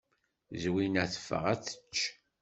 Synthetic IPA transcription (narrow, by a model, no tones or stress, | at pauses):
zwinæθə̥fə̰ʁæt͡sə̥t͡ʃː